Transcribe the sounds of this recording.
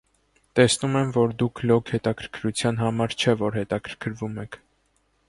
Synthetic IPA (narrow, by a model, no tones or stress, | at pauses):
t̪ɛsnumɛmvɔɾd̪ukʰlɔkʰhɛt̪ɑkʰəɾkʰɾut͡sʰjɑn̪ɦɑmɑɾt͡ʃʰɛvɔɾhɛt̪ɑkʰəɾkʰəɾvumɛkʰ